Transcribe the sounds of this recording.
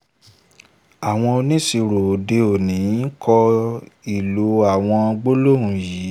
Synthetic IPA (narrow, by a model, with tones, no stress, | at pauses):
a˨w̃ɔ̃˧o˧nĩ˦si˧ɾo˨de˧o˨nĩ˨˦n̩˦kʰɔ˧i˨lo˨˦a˨w̃ɔ̃˧ɡ͡bo˦lo˦˨ũ˨jiː˨˦